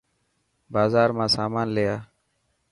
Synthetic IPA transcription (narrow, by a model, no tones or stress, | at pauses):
baːzaːɾmãːsaːmaːnlejaː